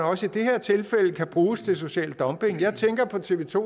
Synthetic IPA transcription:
nɒ̽səid̥e̝heɐ̰t͡sʰe̝lfel̰əkʰæb̥ʁuːst͡sʰe̝ls̬o̝ɕɛ̰ːld̥ɒ̽mb̥e̝ŋjɑ̈ɪt͡sʰeŋɡ̥ɐpʰɒ̽t͡sʰe̝ʋe̝t͡sʰo̝̰

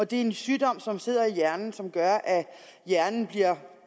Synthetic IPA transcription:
ɒ̽d̥e̝æɐe̝nsyːd̥ɒ̽m̰sɒ̽mse̝ð̞̰ˠɐijæɐnn̩sɒ̽mɡ̥ɶɐʔæ | jæɐnn̩b̥liɐ̰

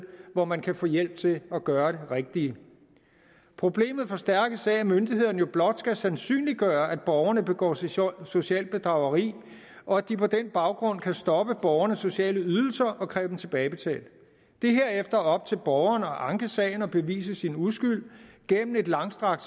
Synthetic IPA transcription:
ʋɒmænkʰæfɔ̰ːjel̰b̥̚t͡sʰe̝lɒ̽ɡ̥ɶːɐɾe̝ʁeɡ̥̚d̥i | pʰʁo̝b̥le̝̰ːmð̩ˠfɒ̽sd̥æɐɡ̥əsɛɪmønd̥iɦeð̰ˠnəjo̝b̥lɒ̽d̥sɡ̥æsænsy̰ːnliɡ̥ɶːɐʔæd̥̚b̥ɒʊɐnəb̥e̝ɡ̥ɒ̰ːso̝ɕiɛ̰ːlb̥e̝d̥ʁɑ̈ʊɐʁḭː | ʔɒ̽æd̥ipʰɒ̽d̥enb̥ɑ̈ʊɡ̥ʁɔ̽n̰kʰæsd̥ɒ̽b̥əb̥ɒʊɐnəsːo̝ɕiɛ̰ːləyð̞ˠl̩sɐʔɒ̽kʰʁɛːʊ̥em̩t͡sʰe̝b̥ɛːɪb̥e̝t͡sʰɛ̰ːld̥ | d̥e̝ɦe̝ɐ̰efd̥ɐɒ̽b̥̚t͡sʰe̝lb̥ɒʊɐnɒ̽ʔɑ̈ŋɡ̥əsɛ̰ːɪnɒ̽b̥e̝ʋḭːsəsinusɡ̥yl̰ɡ̥en̰mn̩e̝d̥lɑ̈ŋsd̥ʁɑ̈ɡ̥̚

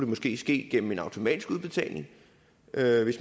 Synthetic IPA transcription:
d̥emɒ̽sɡ̥e̝̰ːsɡ̥e̝̰ːɡ̥en̰m̩e̝nɑ̈ʊt͡sʰo̝mɛ̰ːd̥isɡ̥uðˠb̥e̝t͡sʰɛ̰ɪle̝ŋ | øʋe̝s

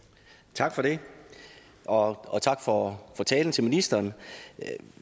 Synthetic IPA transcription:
t͡sʰɑ̈ɡ̥fɒ̽ɾe̝ | ʔɒ̽ɒ̽t͡sʰɑ̈ɡ̥fɒfɒt͡sʰɛːln̩t͡sʰe̝lminisd̥ɐːn

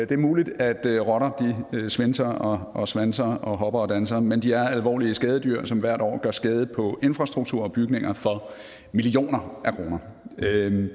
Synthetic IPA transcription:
d̥e̝æɐmuːlid̥æd̥ʁɒ̽ɾ̥ɐd̥isʋensɐɒʔɒsʋænsɐɒ̽ɦɒ̽b̥ɐɒ̽d̥ænsɐmend̥iæɐælʋɒ̰ːliəsɡ̥ɛːð̞ˠədyɐ̰sɒ̽mʋæɐ̰ɾ̥ɒ̰ːɡ̥ɶɐsɡ̥ɛːð̞ˠəpʰɒ̽ʔe̝nfʁɑ̈sd̥ʁuɡ̥̚t͡sʰuɐ̰ɒb̥yɡ̥ne̝ŋʔɐfɒ̽ | milio̝̰ːnɐʔækʰʁo̝ːnɐ

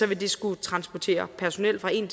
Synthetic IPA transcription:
ɒ̽ʋe̝d̥e̝sɡ̥ut͡sʰʁɑ̈nsb̥ɒt͡sʰe̝̰ːɐpʰæɐso̝nel̰̥fʁɑ̈e̝̰n

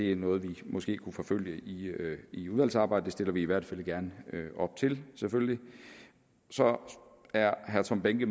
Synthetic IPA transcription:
d̥e̝ænɔ̽ːð̞̩ˠʋimɒ̽sɡ̥e̝̰ːkʰufɒ̽føl̰jəiiuðˠæl̰sɑ̈ːbɑ̈ɪ̰d̥ə̥d̥esd̥e̝lɐʋiiʋæɐd̥fæl̰ɡ̥æɐnøɒ̽b̥t͡sʰe̝lsefølli | sɒ̽ | æɐɦæɐt͡sʰɒ̽mb̥eŋɡ̥ə

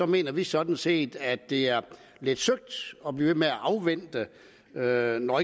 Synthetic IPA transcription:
sɒ̽me̝̰ːnɐʋisɒ̽d̥n̩se̝̰ːd̥æd̥ːe̝æɐ | le̝d̥søɡ̥̚d̥ɒ̽b̥liːʋe̝meæʔɑ̈ʊʋen̰d̥ə | ønɒ̽

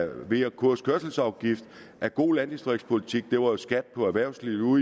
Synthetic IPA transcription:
ʋe̝ɐkʰuɐ̰skʰøɐsl̩sɑ̈ʊɡ̥ifd̥ | ʔæɐɡ̥o̝̰ːlænd̥isd̥ʁeɡ̥spʰo̝lit͡sʰiɡ̥̚d̥e̝ʋɑ̈jo̝sɡ̥æd̥̚pʰɒ̽æʋæɐ̰ʊsliːu

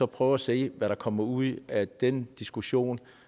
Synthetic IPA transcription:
ɒ̽pʰʁœːʊɐæse̝̰ːʋæɾɑ̈kʰɒ̽mɐuð̰ˠæd̥end̥isɡ̥uɕo̝̰ːn

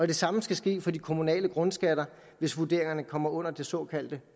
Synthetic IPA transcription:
ɒ̽d̥e̝sɑ̈məsɡ̥æsɡ̥e̝̰ːfɒ̽d̥ikʰo̝munɛ̰ːləɡ̥ʁɔ̽nsɡ̥æd̥ɐ | ʋe̝sʋud̥e̝̰ɐ̰e̝ŋɐnəkʰɒ̽m̰ɐʔɔ̽n̰ɐd̥e̝sɒ̰̽ːkʰæl̰d̥ə

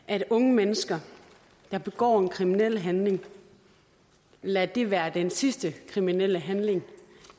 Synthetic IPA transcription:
ʔæd̥ɔ̽ŋəmenəsɡ̥ɐ | d̥ɑ̈b̥e̝ɡ̥ɒ̰ːenkʰʁiminel̰ɦænle̝ŋ | læd̥e̝ʋæːɐd̥ensisd̥əkʰʁiminel̰əɦænle̝ŋ

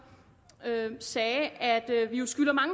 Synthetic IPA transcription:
øsɛːæd̥øʋijo̝sɡ̥yl̰ɐmɑ̈ŋə

